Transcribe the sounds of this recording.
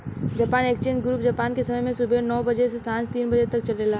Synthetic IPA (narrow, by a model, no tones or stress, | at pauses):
d͡ʒaːpaːneːkt͡ʃẽːnɡɾuːp̚d͡ʒaːpaːnkesɐməjmẽsʊbʱenɔːbɐd͡ʒesesãːnst̪iːnbɐd͡ʒet̪ɐk̚t͡ʃɐlelaː